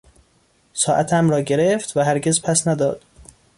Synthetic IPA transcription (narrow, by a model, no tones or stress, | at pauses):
sɒːʔæt̪ʰæmɾɒːɟe̞ɾeft̪væɦæɾɡezpʰæsnæd̪ɒːd̪̥